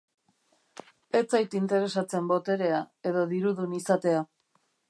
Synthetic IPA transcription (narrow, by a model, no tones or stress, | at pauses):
e̞t͡sajt̪int̪e̞ɾe̞sat͡se̞mbo̞t̪e̞ɾe̞ae̞ðo̞ðiɾuðunisat̪e̞a